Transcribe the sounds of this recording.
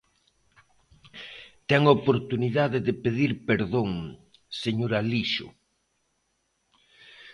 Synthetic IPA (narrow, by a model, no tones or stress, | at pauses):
t̪ɛŋopoɾt̪uniðaðɪðɪpeðiɾpeɾðoŋ | seɲoɾaliʃʊ̰